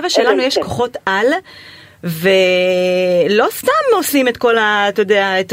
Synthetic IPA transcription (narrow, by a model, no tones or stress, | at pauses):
vaʃe̞lanujeʃko̞χo̞tʔal | ve̞ | lo̞st̪amoslime̞tko̞laːt̪ojodeaet